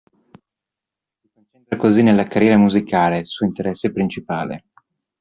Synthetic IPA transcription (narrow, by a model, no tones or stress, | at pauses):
sikont͡ʃent̪ɾakozinelːakarjɛːɾamuzikaːlesuoint̪eɾɛsːepɾint͡ʃipa̰ːlḛ